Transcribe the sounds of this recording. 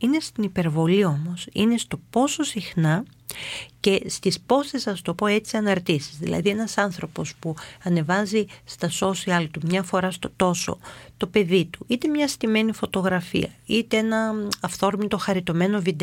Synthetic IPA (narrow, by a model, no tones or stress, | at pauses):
ine̞st̪inipe̞ɾvo̞lio̞mo̞sḭne̞st̪o̞po̞so̞sixnɐ | ce̞st̪ispo̞st̪esɐst̪o̞po̞e̞t͡siɐnɐɾt̪isi̥zðḭlɐ̰ðie̞nɐsɐnθɾo̞po̞spuɐne̞vɐzist̪ɐso̞siɐlt̪umɲɐfo̞ɾɐst̪ot̪o̞so̞̰t̪o̞pe̞ðit̪uit̪e̞mɲɐst̪ime̞nifo̞t̪o̞ɣɾɐfḭɐ̰it̪eenɐɐft̪o̞ɾmit̪o̞xɐɾit̪o̞me̞no̞vid̪e